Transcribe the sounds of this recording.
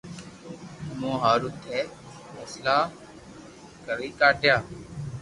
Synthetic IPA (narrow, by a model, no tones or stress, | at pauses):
mõːɦaːɾʊt̪ʰːeː | fɛːslaː | kəɾiːkaːʈjaː